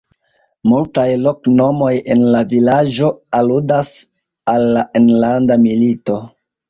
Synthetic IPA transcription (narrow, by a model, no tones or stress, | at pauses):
multajlo̞kno̞mo̞je̞nlavilad͡ʒo̞aludas | alːaʔenlandamilito̞